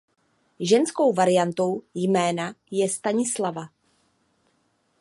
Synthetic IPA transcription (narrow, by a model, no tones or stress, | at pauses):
ʒɛnsko̞wvaɾɪjant̪o̞wjmɛːnajɛst̪aɲɪslava